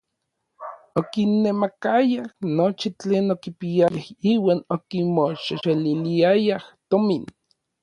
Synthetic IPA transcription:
okinːemakajahnot͡ʃit͡ɬeːnokipiajahiːwaːnokimoʃeʃeliliajaht̪omin

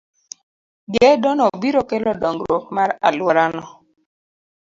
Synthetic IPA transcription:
ɡɛdɔnɔbiɾokelɔdɔŋɡɾokmaɾa̰lwɔɾanɔ

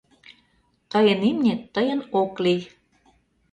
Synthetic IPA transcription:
t̪ɤjə̆nimnʲet̪ːəjə̆noklij

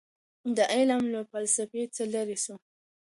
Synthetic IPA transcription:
d̪əʔalamlafalsafet͡səlaɾisu

